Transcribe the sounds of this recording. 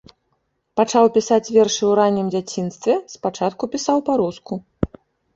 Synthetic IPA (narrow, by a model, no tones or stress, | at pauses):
pat͡ʂawpʲisat͡sʲvʲɛrʂɨwɾanʲːimd͡zʲat͡sʲinst̪vʲɛspat͡ʂat̪kupʲisawpaɾusku